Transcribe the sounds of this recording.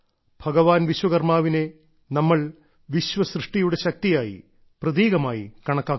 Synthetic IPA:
b̥ʱɐɡɐʋaːnʋiɕwɐɣɐrmaːʋine̞ | nɐmːɐɭ | ʋiɕʋɐsrɨʂʈijuɽe̞ɕɐk̚t̪ijaːjḭ | prɐðiːɣɐmaːjḭkɐɳɐkːaːkː

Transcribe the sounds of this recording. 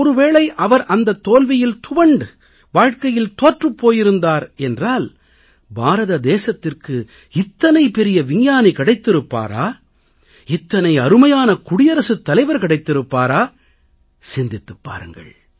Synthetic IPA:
ɔɾɯʋeːɭɐɪʔɐʋɐɾʔɐnd̪ɐt̪ːoːlʋɪjɪlt̪ʊʋɐɳɖ | ʋaːɻkɐjɪlt̪oːʈrɯpːoːjɪɾɯnd̪aːɾɛndraːl | bʱaːɾɐðɐd̪eːsɐt̪ːɪrkɯ | ɪt̪ːɐnɐɪpɛɾɪjɐʋɪŋjaːnikɐɽɐɪt̪ːɪɾɯpːa̰ːɾa̰ː | ɪt̪ːɐnɐɪɐɾɯmɐjaːnɐkʊɽɪjɐɾɐsɯt̪ːɐlɐɪʋɐɾkɐɽɐɪt̪ːɪɾɯpːaːɾaː | sɪnd̪ɪt̪ːɯpːa̰ːɾɯŋɡɐ̰ɭ

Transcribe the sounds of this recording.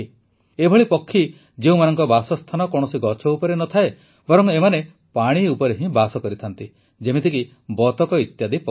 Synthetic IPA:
ebʱɔɭipɔkʰːi | d͡ʒeũmanɔŋkɔbasɔst̪ʰanɔkɔɽ̃ɔsiɡɔt͡ʃʰɔupɔɾenɔt̪ʰae | bɔɾɔŋemane | paɽ̃iupɔɾeɦĩbasɔkɔɾit̪ʰant̪i | d͡ʒemit̪ʰiki | bɔt̪ɔkɔit̪jad̪ipɔ

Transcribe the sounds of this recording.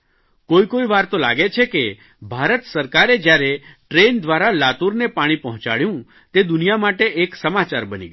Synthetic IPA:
koikoiʋaɾt̪ola̰ɡet͡ʃʰeke | bʱaɾət̪səɾkaɾed͡ʒjaɾeʈɾend̪ʋaɾalat̪uɾnepaɽ̃ipɔɦɔ̃t͡ʃa̰ɭjũ | t̪ed̪ʊnijamaʈeʔːksəmat͡ʃaɾbənḭɡə

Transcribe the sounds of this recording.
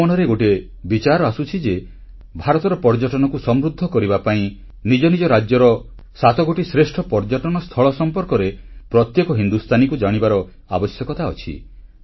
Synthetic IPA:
ɔnɔɾeɡoʈe | bit͡ʃaɾɔasut͡ʃʰid͡ʒe | bʱaɾɔt̪ɔɾɔpɔɾd͡ʒɔʈɔnɔkusɔmɾud̪ʱːɔkɔɾibapaĩ | nid͡ʒɔnid͡ʒɔɾad͡ʒjɔɾɔ | sat̪ɔɡoʈisɾesʈʰɔpɔɾd͡ʒɔʈɔnɔst̪ʰɔɭɔsɔmpɔɾkɔɾepɾɔt̪jekɔɦind̪ust̪ʰanikud͡ʒaɽ̃ibaɾɔ | abɔsjɔkɔt̪aɔt͡ʃʰḭ

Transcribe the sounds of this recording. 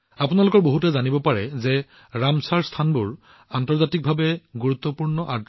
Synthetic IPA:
apunalʊkɔɹboɦutɛzanibɔpaɹɛzɛ | ɹamsaɹstʰanbʊɹ | antɔɹzatik̚bʱabɛɡuɹut̪ːɔpuɹnɔʔat

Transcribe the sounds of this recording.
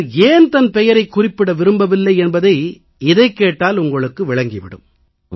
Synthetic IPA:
eːnt̪ɐnpɛjɐɾɐɪkːʊrɪpːɪɽɐʋɪɾɯmbɐʋɪlːɐɪɛnbɐðɐɪ | ɪðɐɪkːeːʈːaːlʊŋɡɐɭɯkːɯʋɪɭɐŋɡiʋɪɽɯ̰m

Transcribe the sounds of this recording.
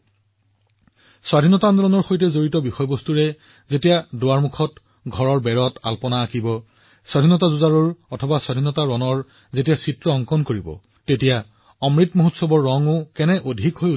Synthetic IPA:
swadʱinɔtandɔɹɔnɔɹxojtɛzoɹitɔbixɔjɔbostuɹɛ | zetijadoaɹmukʰɔt | ɡʱɔɹɔɹbɛɹɔta̰lpɔnaːkibɔ | swadʱinɔtazuzaɹɔɹɔtʰɔbaswadʱinɔtaɹɔnɔɹ | zetijasitɹɔːŋkɔnkoɹibɔ̰ | tetija | ɔmɹitmoɦutsɔbɔɹːɔŋʊkɛnɛʔodʱikɦoju

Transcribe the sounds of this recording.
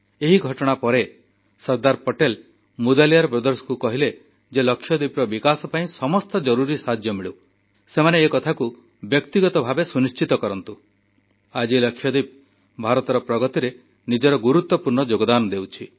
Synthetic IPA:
eɦiɡʱɔʈɔɽ̃apɔɾe | sɔɾd̪aɾpɔʈel | mud̪alijaɾpɾɔd̪ɔɾsɔ̥kukɔɦile | d͡ʒelɔkʰːjɔd̪ipɾɔbikasɔpaĩsɔmɔst̪ɔd͡ʒɔɾuɾisad͡ʒ̪ʱjɔmiɭu | semaneːkɔt̪ʰaku | bjɔkt̪iɡɔt̪ɔbʱabesuniʃt͡ʃit̪ɔkɔɾɔnt̪u | ad͡ʒilɔkʰːjɔd̪ip̚ | bʱaɾɔt̪ɔɾɔpɾɔɡɔt̪iɾe | nid͡ʒɔɾɔɡuɾut̪wɔpuɾɳɔd͡ʒoɡɔd̪anɔd̪ewt͡ʃʰi

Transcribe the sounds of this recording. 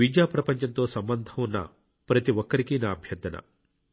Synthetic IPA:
ʋid͡ʒaːpɾɐpɐɲt͡ʃɐnt̪o̞ːsɐmbɐnd̪ʱɐmunːɐ̰ | pɾɐt̪iʋɔkːɐɾikinaːbʱjɐɾd̪ɐnɐ̰

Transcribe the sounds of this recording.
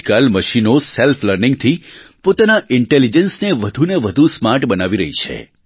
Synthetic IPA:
kalməʃinoselfʰləɾnɪ̃ŋɡ̚t̪ʰipot̪anaʔɪɳʈelid͡ʒənsneʋəd̪ʱuneʋəd̪ʱusmaɾʈbənaʋiɾə̰ɦit͡ʃʰḛ

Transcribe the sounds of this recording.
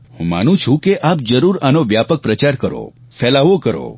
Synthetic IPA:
hṵ̃ma̰nũt͡ʃʰũkeʔap̚d͡ʒəɾuɾanoʋjapək̚pɾət͡ʃaɾkəɾo̰ | fɛlaʋokəɾo̰

